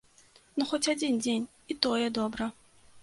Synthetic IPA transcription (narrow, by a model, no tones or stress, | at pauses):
nuxɔt͡sʲad͡zʲind͡zʲenʲ | it̪ɔjɛd̪ɔbɾɐ